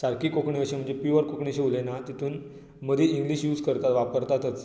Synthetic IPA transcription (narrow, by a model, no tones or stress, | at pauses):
saɾkiːkokɳiəɕim̤əɳd͡zepiʋəɾkokɳiɕeulenat̪it̪ʰuːn | məd̪ʱiiŋɡliɕjuːd͡zkəɾt̪at̪ʋapəɾt̪at̪ət͡s